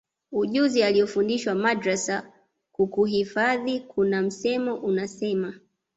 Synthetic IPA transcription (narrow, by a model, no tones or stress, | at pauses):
uʄuzialiɔfundiʃwamadɾasa | kukuhifaðikʰunam̩sɛmɔʔunasɛma